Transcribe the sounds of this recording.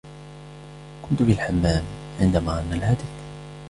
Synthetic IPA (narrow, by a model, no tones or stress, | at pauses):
kʊnt̪ʊbɪlħamːæːm | ʕɪnd̪æmaʕanːalhad̪ɪk